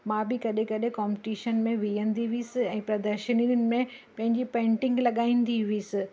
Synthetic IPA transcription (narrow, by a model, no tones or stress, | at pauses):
mãbɪkɐɗẽkɐɗẽkaːmpɪʈiːʃənmẽʋijə̃nd̪iʋiːsɪɛ̃ːpɾɐd̪əɾʃəniʊnɪ̆mẽ | pɐ̃ɦɪ̃ɲd͡ʑipẽːɳʈɪ̃ŋɡlɐɠaːĩːnd̪iʋiːsɪ